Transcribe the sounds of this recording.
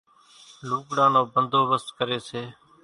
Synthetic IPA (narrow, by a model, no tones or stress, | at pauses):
luːkɽãːnõːbənd̪ʱoːʋəst̪kəɾeːseː